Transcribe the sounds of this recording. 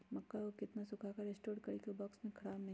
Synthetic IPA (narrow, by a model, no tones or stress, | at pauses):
mɐkːaokɪt̪nasʊkʰakaɾeːsʈoːɾɖkɐɽikobɔːksmẽkʰɐɽaːbnɐɦĩ